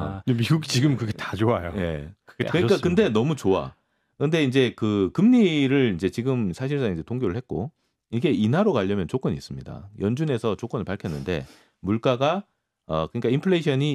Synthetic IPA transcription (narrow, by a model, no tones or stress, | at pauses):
emiɡuɡt͡ɕiɡɯmkɯɡetḁd͡ʑoajo̰je̞̰kɡekɯɲik͈akɯnde̞nʌmut͡ɕoa̰ | kɯɯnde̞ind͡ʑe̞kɯkɯmɲiɾɯɾind͡ʑe̞t͡ɕiɡɯmsʰaɕ̬ʰiɭs͈aŋind͡ʑe̞tʰoŋɡoɾɯɭhe̞t̚k͈o | iɡe̞inɦaɾokaʎːʌmjʌnt͡ɕok͈ʌɲḭs͈ɯmɲida̰jʌnd͡ʑune̞sʰʌt͡ɕok͈ʌnɭpaɭkʰjʌnːɯnde̞̰ | muɭk͈aɡa | ʌkɯɲik͈aimpʰɯɭe̞ɕʰʌɲi